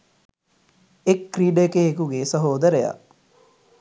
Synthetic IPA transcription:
ekːriːɖəekeekuɡesəɦoːd̪əɾeja̰

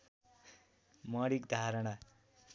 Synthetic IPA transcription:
mʌɽikd̪ʱaɾʌɽ̃a

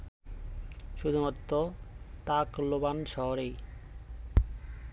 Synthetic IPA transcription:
ʃud̪ʱumɔt̪ːot̪aklobanʃɔɦoɾej

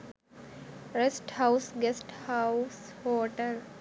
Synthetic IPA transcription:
ɾesʈhaʊsɡesʈhaʊshoːʈəl

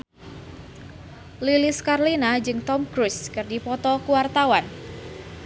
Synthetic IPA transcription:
liliskarlinad͡ʒɨŋt̪ɔmkɾuskɨrdipɔt̪ɔkuwart̪awan

